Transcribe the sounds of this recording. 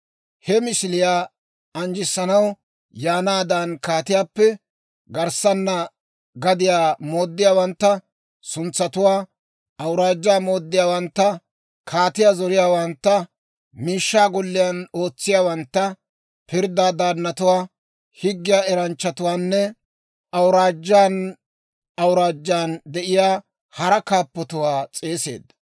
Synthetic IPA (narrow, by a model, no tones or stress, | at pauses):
hɛmɪsɪlɪjaː | ɐnd͡ʒɪsːɐnɐw | jaːnaːd̪ɐnkaːt̪ɪjaːpːɛ | ɡɐɾsɐnːɐ | ɡɐd̪ɪjaːmoːd̪ːɪjaːwɐnt̪ːɐ | sʊnt͡sːɐt̪ʊwaː | ʔɐwɾaːd͡ʒːaːmo̞ːd̪ːɪjaːwɐnt̪ːɐ | kʰaːt̪ɪjaːzɔɾɪjaːwɐnt̪ːɐ | miːʃːaːɡɔlːɪjano̞ːt͡sːɪjaːwɐnt̪ːɐ | pɪɾd̪aːd̪aːnːɐt̪ʊwaː | hɪɡːɪjaːɛɾɐnt͡ʃːɐt̪ʊwaːnːɛ | ʔɐwɾaːd͡ʒːaːn | ɐwɾaːd͡ʒːaːnd̪ɛʔɪjaː | hɐɾɐkaːpːɔt̪ʊwaːt͡sʼe̞ːse̞̰ːd̪ːɐ